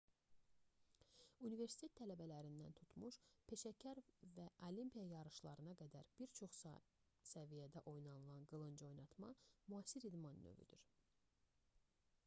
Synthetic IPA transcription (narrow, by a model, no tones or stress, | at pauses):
unive̞ɾsi̥t̪e̞t̪ʰːælæbælæɾind̪æ̰nt̪ʰut̪ʰmuʃpʰe̞ʃæcʰæɾvæʔolimpʰijɑjɑɾɯʃlˠɑɾɯnɑɡæd̪æɾb̥iɾt͡ʃʰo̞χs | sævijæd̪æʔo̞jnɑnɯlˠɑnɡɯlˠɯnd͡ʒo̞jnɑt̪mɑ̰muɑsiɾid̪mɑnːø̰vy̰d̪yɾ